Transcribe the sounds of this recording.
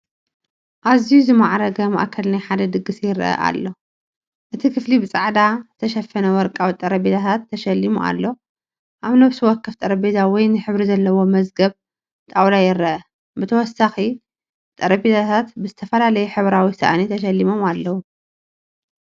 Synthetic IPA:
ʔazijuzɨmaʕɾɐɡɐma̰ʔkʰɐlnajħad̪ɐd̪ɨɡːɨsjɪɾɐ̰ʔɐ̰ʔa̰lːo̞ | ʔɨt̪ʰikʰɨflibɨt͡sʼaʕd̪azɨt̪ʰɐʃɐfɐnɐwɔɾkʼawit̪ʼɐɾɐbet̪ʰat̪ʰat̪ʰːɐʃɐlːimuʔa̰lːo | ʔaβnoβsɨwɔkʰːɨft̪ʼɐɾɐbezawɔjnɨħɨβɾizɐlːɐwo̞mɐzɡɐβ | t̪ʼawlajɪɾɐʔɐ | bɨt̪ʰɐwɔsːaxi | t̪ʼɐɾɐbet̪ʰat̪ʰat̪bɨzɨt̪ʰɐfɐlalɐjɛħɨβɾawisɐ̰ʔnit̪ʰɐʃɐlːimo̞malːɐwu

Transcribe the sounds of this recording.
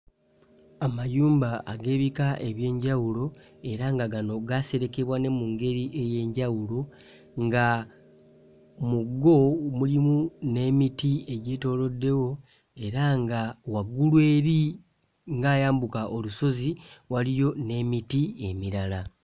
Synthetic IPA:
amajuːmbaːɡe̞ːβikaʔe̞βje̞ːɲɟawulo̞ | e̞ɾaŋɡaɡano̞ɡase̞ɾe̞ke̞βwane̞muŋɡe̞ɾiʔe̞je̞ːɲɟawulo̞ | ŋɡa | muɡo̞mulimune̞ːmitieɟe̞ːto̞ːlo̞dːe̞wo̞ | e̞ɾaŋɡawaɡulwe̞ːɾi | ŋɡaːjaːmbukaʔoluso̞ziwalijo̞ne̞ːmitie̞miɾala

